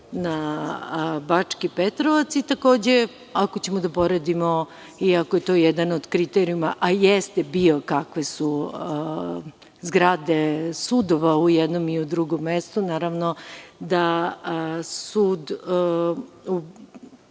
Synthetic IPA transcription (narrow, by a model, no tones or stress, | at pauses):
na | bat͡ʂkipet̪ɾoʋat̪sit̪ako̞ːd͡ʑe | ako̞t͡ɕemod̪apoɾed̪imo | iakojet̪oːjɛd̪anod̪̥kɾit̪eɾijumaʔajest̪ebio̞kakʋe̞su | zɡɾad̪esud̪oʋaujɛd̪nomiud̪ɾuɡomːest̪unaːɾaʋnod̪a | suːd̪ | u